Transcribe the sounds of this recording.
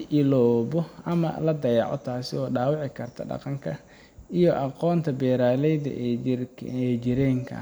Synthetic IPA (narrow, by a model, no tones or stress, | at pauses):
ʔɪlɔːbɔʔɐmɐ̰lɐd̪ɐjɑʕɔ̰t̪ʰaːsɪɔːɖaːwɑʕɪkʰɐrt̪ʰɐɖɑ̰qɑŋkʰɐ | ijɔʔɑqɔːnt̪ʰɐbɛːɾaːlɛjðɐ̰ʔ | ɛd͡ʒɪɾɛːŋkʰɐ̰